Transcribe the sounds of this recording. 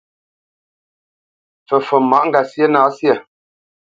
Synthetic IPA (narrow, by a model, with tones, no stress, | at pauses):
fə˨fə˨ma˨˦ʔŋ̩˦ɡa˨sjə˦naː˨˦sjə˨